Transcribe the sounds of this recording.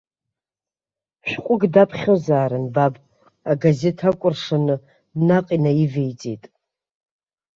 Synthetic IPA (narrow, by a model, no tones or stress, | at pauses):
ʃʷᶣqʷʼʊɡdapʰχʲozaːɾɨnbabʼ | aɡazetʰakʷʼʊrʂanɨ | naqʼinaivejt͡sʼetʼ